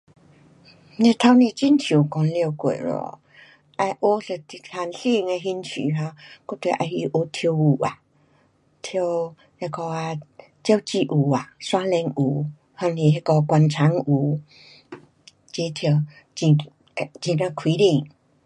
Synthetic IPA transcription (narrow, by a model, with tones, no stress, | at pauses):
ne˧t̪ʰa˧wnĩ˧t͡ɕi˦˧˨nt͡ɕʰju˨˩kɔ˧nljo˧kwḛ˨˩ɾɔ̰˨˧˨ | ʔa˧jʔo˦sə˧t̪i˧hʰa˧nɬi˧˨ŋe˧ɦi˧nt͡ɕʰḭ˨ɦã˧kɔ˧˦t̪we˨ʔa˧˩hi˧ʔo˧˦t̪ʰjo˧u˨˩a˨ | t̪ʰjo˧ | he˧kɔ˧a˧ | t͡ɕja˧˦wt͡ɕi˧ʔu˨˩a˨swã˦lɛ˧ŋu˨˩ | hɔ˧ŋnĩ˧˨ɦe˧kɔ˧kwa˧nt͡sʰa˨˦ŋu˨˩˦ | t͡ɕe˧˦t̪ʰjo˧˩ | i˧˨ | t͡ɕi˧lə˧kʰwi˨˦li˧˨ŋ